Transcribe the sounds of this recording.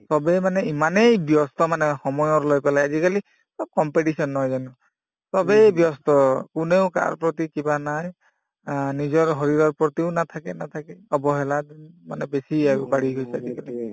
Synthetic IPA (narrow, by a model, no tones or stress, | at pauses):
sɔbɛmanɛimanejbjɔst̪ɔmanɛxɔmɔjɔɹlojpɛlajazikali | sɔb̚kɔmpeʈisɔnːɔjzanu | sɔbɛbjɔst̪ɔkʊneʊka̰ɹpɹɔt̪̬ikibanaj | nizɔɹɦɔɹiɹɔɹpɹɔt̪iʊnat̪ʰakɛnat̪ʰakɛɔbɔɦɛladinma̰nɛbesiaɡubaɹiɡojsazikali